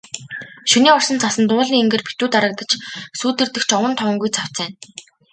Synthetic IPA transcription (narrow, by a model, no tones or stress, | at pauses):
ʃuniːɔr̥sə̆nt͡sʰasə̆nt̪ʊːɮiːŋeŋɡĕːrpʰi̥t̪uːt̪aɾə̆k̚t̪ə̆t͡ɕsuːt̪ɘ̆rt̪ɘ̆xt͡ɕɔwə̆nt̪ʰɔwə̆ŋɡujt͡sʰaw̥t͡sæːn